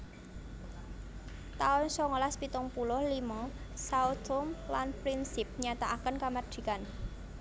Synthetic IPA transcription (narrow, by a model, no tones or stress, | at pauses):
t̪aʊnsɔŋɔlaspit̪ʊŋpulʊhlimɔsaut̪ʊmlanpɾinsɪp̚ɲat̪aʔakənkamḁd̪̥i̤kan